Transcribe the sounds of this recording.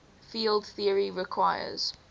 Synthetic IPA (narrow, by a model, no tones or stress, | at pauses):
fiːldθiəɹiɹɪkʰw̥aɪə̰z̥